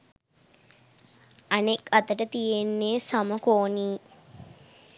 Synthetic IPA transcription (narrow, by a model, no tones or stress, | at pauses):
ɐnekɐt̪əʈət̪ijenːeːsɐməkoːniː